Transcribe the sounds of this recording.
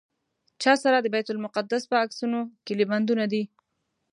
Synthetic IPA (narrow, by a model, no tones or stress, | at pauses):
t͡ʃɑsaɾad̪əbajt̪ʊlmʊqad̪ːaspəaksunokɪliband̪unad̪i